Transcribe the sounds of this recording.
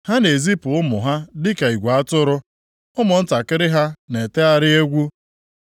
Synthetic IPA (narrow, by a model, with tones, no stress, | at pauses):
ha˦ne˨zi˦pʊ˨ʊ˦mʊ˨ɦa˦dɪ˦ka˨i˨ɡʷa˨a˦tʊ˦ɾʊ˦ | ʊ˦mʊ˨n̩˦ta˨kɪ˦ɾɪ˦ɦa˦ne˨te˦a˦ɾɪ˦e˦ɡʷu˦